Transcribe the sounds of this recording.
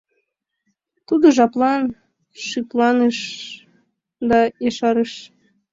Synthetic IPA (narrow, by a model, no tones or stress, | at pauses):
t̪ud̪oʒɑplɑn | ʃiplˠɑneʃ | d̪ɑjeʃɑɾeʃ